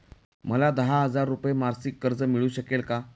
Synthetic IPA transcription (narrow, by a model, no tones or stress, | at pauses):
məlad̪əɦaɦəd͡zaɾːupjemaɾsikːəɾd͡zəmiɭuːɕəkelka